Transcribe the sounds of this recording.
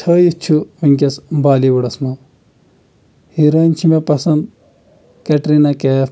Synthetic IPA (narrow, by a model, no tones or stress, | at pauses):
tʰɐːjit͡ʃʰuʋiŋkʲɐsbaːliʋɐɽɐsmɐ | hiɾɐnʲt͡ʃʰimepɐsɐnd̪ | kɐʈɾinɐkeː